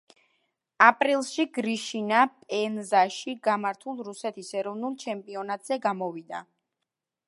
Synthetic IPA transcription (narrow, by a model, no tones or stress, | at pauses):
apʼɾilˠsʃiɡɾiʃinapʼɛnzaʃiɡamaɾt̪ʰulˠɾusɛt̪ʰisɛɾɔvnulˠt͡ʃʰɛmpʼiɔnat̪ʼz̥ɛɡamɔvid̪a